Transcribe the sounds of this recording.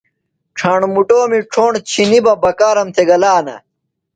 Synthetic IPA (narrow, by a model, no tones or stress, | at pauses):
ʈ͡ʂʰɐɳmuʈoːmiʈ͡ʂʰoːɳt͡ɕʰinibɐbɐkaːɾɐmt̪ʰeɡɐlaːnɐ̰